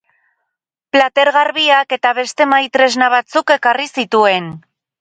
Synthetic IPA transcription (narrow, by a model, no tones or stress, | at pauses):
plat̪e̞ɾɣaɾβiake̞t̪aβ̞e̞st̪e̞majt̪ɾe̞znaβ̞at͡suke̞karisit̪ue̞n